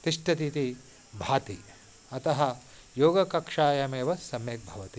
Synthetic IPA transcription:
t̪iʂʈɐt̪it̪i | bʱaːt̪i | ɐt̪ɐɦɐ̆ | joːɡɐkɐkʂaːjɐmeːʋɐsɐmjek̚bʱɐʋɐt̪i

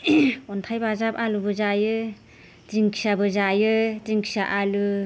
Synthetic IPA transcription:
ɔntʰajbazapalubɯzajɯ | ziŋkʰi̥sabɯzajɯziŋkʰi̥saʔalu

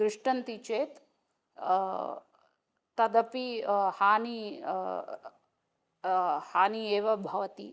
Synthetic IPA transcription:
ɾɪʂʈɐnt̪it͡ʃeːt̪ | t̪ɐd̪ɐpihaːni | haːnieːʋɐbʱɐʋɐt̪ḭ

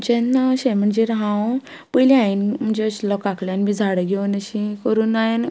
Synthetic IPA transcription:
t͡ɕenːəɕẽm̤əɳd͡ʑeɾaɦãw | pəjliainm̤əɳd͡zeəɕlɔkakljanmid͡zʱaɽəɡʱeʋunəɕĩkəɾuːnajen

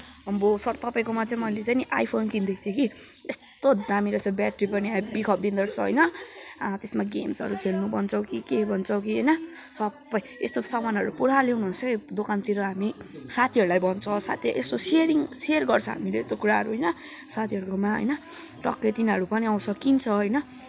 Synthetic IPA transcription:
ʌmbosʌrt̪ʌpaj̃komat͡saĩmʌjlet͡saĩnʔa̰jpʰonkind̪ekʰt̪ʰjekiest̪od̪amiɾʌsʰʌbjaʈripʌniabikʰʌp̚d̪ind̪ʌɾt͡sʰʌɦʌ̰jnʌ | t̪esmaɡemsʌ̰ɾukʰelnubʌnt͡sʰʌw̃kikebʱʌnt͡sʰʌw̃kiɦʌjnʌ | sʌbʌjest̪osʌmanɦʌɾupuɽaleunuɦunt͡sʰʌkid̪okant̪iɾoɦamisat̪ʰiʌɾulajbʌnt͡sʰʌsa̰t̪ʰjʔest̪oseɾiŋserɡʌrt͡sʰʌɦa̰mileest̪okuɾaɦʌɾuɦʌjnʌsat̪ʰiʌɾukomaɦʌ̰jnʌrʌ̰klet̪inɦʌɾupʌniaw̃sʰʌkint͡sʰʌɦʌjnʌ

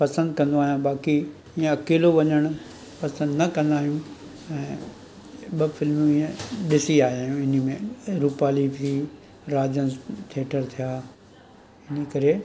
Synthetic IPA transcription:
pɐsə̃nd̪kɐ̃nd̪oaːɦijũbaːki | iːẽɐkeːloʋɐɲəɽ̃ʊ | pɐsə̃nd̪nɐkɐ̃nd̪aːɦijũ | ɛ̃ː | ɓɐfɪlmjũiːẽɗɪsiaːɦijaːjũɪnəmẽɾupaːlii | ɾaːd͡ʑənt̪ʰeːʈʰəɾt̪ʰijaː | ɪnəkɐɾe

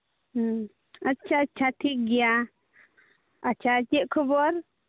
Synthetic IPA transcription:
ətːt͡ʃʰaətːt͡ʃʰaʈʰik̚ɡɛja | ət͡ʃʰat͡ʃɛʔ̚kʰɔbɔɾ

